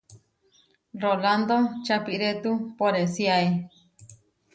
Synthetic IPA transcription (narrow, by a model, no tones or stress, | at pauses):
roland̪ot͡ʃapiɾet̪upoɾesiae